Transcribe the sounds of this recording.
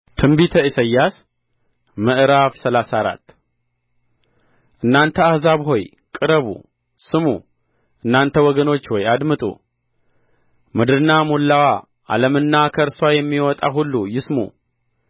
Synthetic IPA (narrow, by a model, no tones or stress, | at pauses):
t̪ʰɨmbit̪ʰəisəjːas | mɨʔɨɾafsəlasaɾa̰t̪ː | ʔɨnːant̪ʰəahzaβɦo̞j | kʼɨɾəβṵ | sɨmṵ | ʔɨnːant̪ʰəwɔɡəno̞t͡ʃːwɔjad̪mɨt̪ʼṵ | mɨd̪ɨɾɨnːamulːawa | ʔa̰ləmɨnːakʰəɾswajɛmːiwɔt̪ʼaɦulːujɪsmṵ